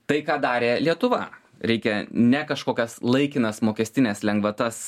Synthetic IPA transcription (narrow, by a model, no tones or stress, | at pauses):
t̪ɐɪkɑːd̪ɑːɾʲeːlʲiɛt̪ʊʋɐ̰ | ɾʲɛɪkʲɛnʲɛkɐʃkoːkʲɛslˠɐɪkʲɪnɐsmoːkʲɛsʲt̪ʲɪnʲeːslʲɛŋɡʋɐt̪ɐs